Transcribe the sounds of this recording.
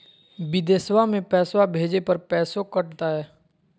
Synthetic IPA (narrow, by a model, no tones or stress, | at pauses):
bɪd̪eːswamẽpɛːswabʱeːd͡ʒepɐɾpɛːsokɐʈt̪aɦɛː